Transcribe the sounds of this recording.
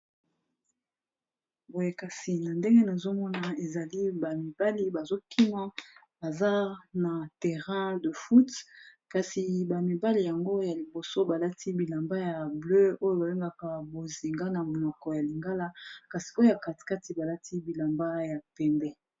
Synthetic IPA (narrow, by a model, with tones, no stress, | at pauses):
bo˨je˨ka˨si˨na˨nde˦ŋɡe˦na˨zo˦mɔ˦na˨e˨za˨li˦ba˨mi˨b̥a˦li˦ba˨zo˦kʰi˦ma˦ | ba˨za˦na˨tɛ˨ʁɛ̃˦də˨fu˦tka˨si˨ba˨mi˨ba˦li˨ja˨ŋɡo˦ja˨li˨bo˨so˦ba˨la˦tʰi˦bi˨la˨mba˦ja˨blø˦o˦jo˦ba˨be˦ŋɡa˦˨ka˨bo˨zi˨ŋɡa˦na˨mo˨nɔ˨kɔ˨ja˨li˨ŋɡa˦la˦ka˨si̥˨o˦o˦ja˨ka˨ti̥˨ka˦ti˨ba˨la˦tʰi˦bi˨la˨mba˦ja˨pɛ˨mbɛ˦